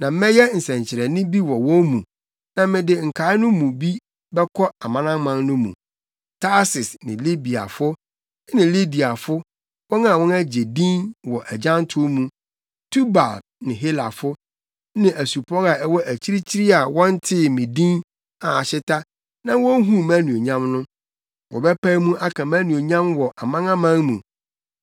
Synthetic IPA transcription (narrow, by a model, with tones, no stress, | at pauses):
nã˨m̩˦mɛ̃˦jɛ˦n̩˨sɛ̃˨ɲt͡ɕʰɪ˨ɾɛ˨nɪ̃˦bi˦wɔ˨wɔ̃˦mṵ̃˨ | nã˨mɪ̃˨dɪ˨ŋ̩˨kʰa˨˦ɪ˦nʊ̃˦mũ˨bi˦ | bɛ˦kʰɔ˦a˨mã˦nã˦m˦mːã˦nnʊ̃˦mṵ̃˨ | tʰa˦sɪ˨snɪ̃˨li˦bi˨a̰˨fʊ˦ | nɪ̃˨li˦di˨a˨fʊ˦ | wɔ̃˦na˨wɔ̃˦næ˦d͡ʑe˨dĩ˦nwɔ˨ʔæ˨d͡ʑã˦n˦tʰʊ˦mũ˨ | tʰu˦ba̰˨k̚nɪ̃˨ɦe˦la̰˨fʊ˦ | nɪ̃˨ʔæ˨su˨pʰɔ˦ɾa˨ɛ˦wɔ˦ʔæ˨t͡ɕʰi˦ɾi˦t͡ɕʰi˦ɾɪ˦a˨wɔ̃˦n˦tʰɪ˦mɪ̃˨dĩ˦n | a˨a˨ɕɪ˦tʰa˦ | nã˦wɔ̃˦ɦũ˦mæ̃˦nũ˨o˨ɲã˦mnʊ̃˦ | wɔ̰˨bɛ˦pʰæ˦mũ˦ʔa˦kʰã˨mæ̃˦nũ˨o˨ɲã˦mwɔ˨ʔa˨mã˦ŋã˦mã˦ŋmũ˨